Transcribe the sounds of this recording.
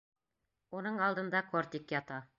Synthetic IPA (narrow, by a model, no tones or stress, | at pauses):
unɤɴɑlˠd̪ɤ̆nd̪ɑkoɾt̪ikjɑt̪ɑ